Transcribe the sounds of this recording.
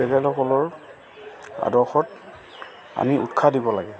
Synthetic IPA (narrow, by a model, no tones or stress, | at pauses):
ɛtɛlɔkɔlɔɹ | a̰dɔxɔt | a̰miʔṵtkʰadibɔlaɡɛ